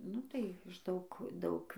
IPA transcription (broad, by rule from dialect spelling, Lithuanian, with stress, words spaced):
ˈnʊ tɐɪ ɪʃ ˈdɐʊk ˈdɐʊk